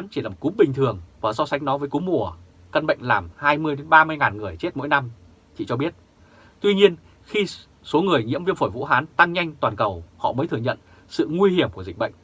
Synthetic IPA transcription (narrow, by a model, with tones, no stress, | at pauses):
nt͡ɕi˧˩aː˨˩o˨˩ku˨˦mɓï˨˩ŋ̟t̪ʰɨ˨˩əŋvaː˨˩sɔ˧sa˨˦jŋ̟nɔ˨˦vəː˨˦jku˨˦mu˧˩ə | kə˧nɓə̰˧˨jŋ̟laː˨˩mhaː˧jmɨ˧əjɗe˨˦nɓaː˧mɨ˧jŋaː˨˩nŋɨ˨˩əjt͡ɕe˦˥t̚mo̰˧˥jna˧m | t̪ʰḭ˧˨t͡ɕɔ˧ɓi˦˥ət̚ | t̪wi˧ɲi˧ən | xi˧ | so˨˦ŋɨ˨˩əjɲḭ˧˥əmvi˧ənfo˧˩jvṵ˧˥ɦaː˨˦nt̪a˧ŋɲa˧jŋ̟t̪waː˨˩nkə˨˩whɔ̰˧˨mə˨˦t̪ʰɨ˨˩əɲə̰˧˨n | sɨ̰˧˨ŋwi˧hi˧˩əmku˧˩zï˨˩k̟̚ɓə̰˧˨jŋ̟